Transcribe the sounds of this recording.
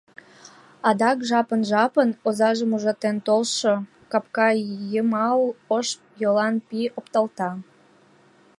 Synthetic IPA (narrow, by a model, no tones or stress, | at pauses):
ɑd̪ɑkʒɑpənʒɑpənozɑʒəmuʒɑt̪ent̪olʃo | kɑpkɑjəmɑləʃ | jolɑnpiopt̪ɑlt̪ɑ